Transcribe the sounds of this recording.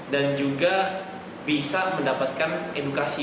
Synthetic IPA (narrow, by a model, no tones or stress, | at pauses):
dand͡ʒuɡa | bisaməndapat̪̚kanedukasi